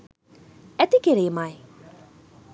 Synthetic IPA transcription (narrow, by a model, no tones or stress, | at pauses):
ɛt̪ikeɾemaj